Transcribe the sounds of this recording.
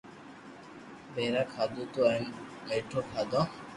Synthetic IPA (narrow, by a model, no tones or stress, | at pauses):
beɾakʰad̪ut̪uajneʈʰokʰad̪ɔ